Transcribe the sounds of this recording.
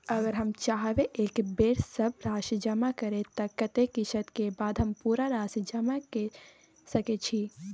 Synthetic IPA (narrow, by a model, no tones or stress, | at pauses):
ɐɡəɾɦɐmt͡ʃaːɦʋeʔeːkbeːɾsəbɾaːʃid͡ʒəmakəɾet̪ɐkət̪ekɪʃət̪kebaːd̪ɦəmpuɾaɾaːsd͡ʒəmake | səket͡ʃʰi